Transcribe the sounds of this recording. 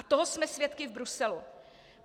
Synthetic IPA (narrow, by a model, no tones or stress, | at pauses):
at̪oɦosmɛsvjɛt̪kɪvbɾusɛlu